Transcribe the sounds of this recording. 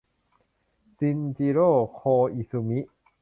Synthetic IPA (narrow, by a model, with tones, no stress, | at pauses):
si˧nt͡ɕi˧ɾoː˥˩kʰoː˧i˧˨su˧mi˦˥ʔ